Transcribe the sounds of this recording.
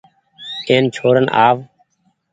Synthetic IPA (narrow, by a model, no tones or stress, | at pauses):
ẽːnt͡ʃʰoːɾənʔa̰ːʋ